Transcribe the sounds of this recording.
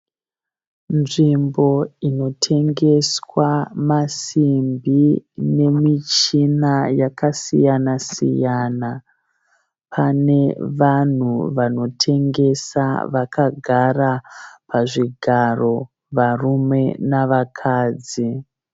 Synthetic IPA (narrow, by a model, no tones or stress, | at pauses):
nʐimbo̞ino̞tʰe̞ŋɡe̞swamasimbine̞mit͡ʃinajakasijanasḭjaːna | pʰane̞ʋan̤uʋano̞tʰe̞ŋɡe̞sa̰ʋakaɡʱarapʰaʐiɡʱaro̞ | ʋarume̞naʋakʰaːd͡zi